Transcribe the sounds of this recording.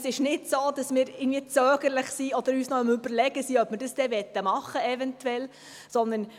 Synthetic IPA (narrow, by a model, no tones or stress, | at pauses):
sɪʃnɪdsoːd̥ɑsmɪːɾɪɡən̩dviət͡søːɡəɾlɪχsiɔd̪əɾyːsnɔəmʏbəɾlɛɡəsiœpmɪɾd̥əsd̥ɛʋɛt̪ːəmɑχəɛvɛntuɛl | sɔnd̪ən